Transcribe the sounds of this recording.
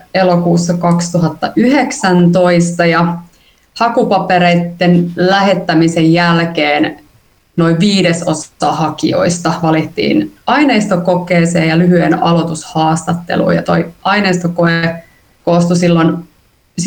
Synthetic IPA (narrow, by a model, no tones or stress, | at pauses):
elokuːsːɑkɑkst̪uɦɑt̪ːɑʔyheksænt̪o̞ist̪ɑjɑ | hɑkupɑpeɾeit̪ːenlæhet̪ːæmisejjːælkeːn | no̞iʋʋiːdesost̪ːɑːhɑkḭo̞̰ist̪ɑʋɑlit̪ːḭːnɑine̞ist̪okokeːseːjɑlyɦyenɑlot̪ushɑːst̪ɑt̪ːḛlṵːjɑ̰t̪o̞iʔɑineist̪okoe | koːst̪usilːon | s